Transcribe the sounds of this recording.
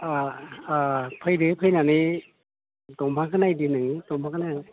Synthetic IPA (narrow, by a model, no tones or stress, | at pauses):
aː | pʰɯjdɯpʰɯjnanɯ | tɔmpʰakʰɯnajdɯnɯŋtɔmpʰakʰɯna